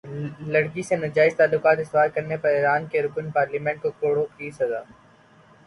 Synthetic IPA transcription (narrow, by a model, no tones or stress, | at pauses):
lɐɽkisenɐd͡ʒaːɪzt̪aːlːʊkaːt̪ɪst̪ʋaːɾkɐɾnepɐɾeɾaːnkeɾʊkənpaːɾliːmɛ̃ɳʈ̚kokoːɽokiːsɐza̰ː